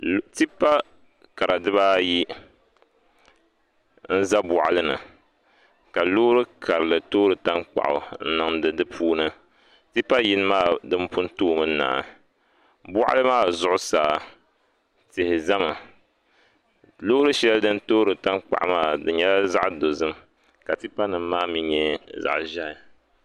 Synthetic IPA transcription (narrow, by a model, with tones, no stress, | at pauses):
ti˦pa˦ | ka˨ɾa˨dɨ˦βaː˦ji˦ | n̩˦za˦bʊ˨ʔa˨lɨ˦nɨ̰˨ | ka˨loː˦ɾɨ˦kʰa˨ɾɨ˨lɨ˨toː˦ɾɨ˨ta˦nk͡pa̰˨ʔʊ̰˨n̩˦nɨ˨ŋdɨ˨dɨ˦pʰuː˦nɨ˦ | ti˦pːa˦ji˦nɨ˦maː˦˨dɨ˦m˦pʊ˦n˦toː˦˨mɨ˦na̰ː˨ | bʊ˦ʔa̰˦lɨ˦maː˦˨zʊ˦ʔʊ˦saː˨ | tɪ˨hɪ˨za˦ma˨ | loː˦ɾɨ˦ʃɛ˦ldɨ˦n˦toː˦ɾɨ˨ta˦nk͡pa̰˨ʔmaː˦˨dɨ˨ɲɛ˦la˦za˦ʔdo˨zɨ˦m | ka˨ti˦pa˦nɨ˨m˦maː˦mi˦ɲɛ˦za̰˨ʔʒa˦hɪ˨